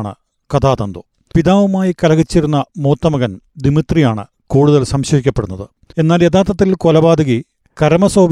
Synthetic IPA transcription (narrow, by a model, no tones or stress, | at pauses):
ɳɨ̰ | kɐd̪aːt̪ɐnd̪o | piðaːʋumaːjikɐlɐɣit͡ɕːiɾunːɐmo̞ːt̪ːɐmɐɣɐnd̪imit̪rijaːɳɨ̰ | kuːɽuðɐlsɐmɕɐɦikʲːɐpːe̞ɽunːɐðɨ | e̞nːaːljed̪aːt̪ːɐt̪ːilkolɐbaːd̪ɐɣi | kɐɾɐmɐsoːb